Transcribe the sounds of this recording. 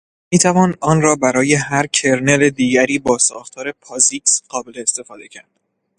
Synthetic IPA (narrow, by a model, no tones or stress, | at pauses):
miːt̪ʰævɒːnɒːnɾɒːbæɾɒːje̞ɦæɾcʰe̞ɾne̞led̪iːɟæɾiːbɒːsɒːxt̪ʰɒːɾe̞pʰɒːziksɢ̥ɒːbeleːst̪e̞fɒːd̪e̞cʰæɾd̪̥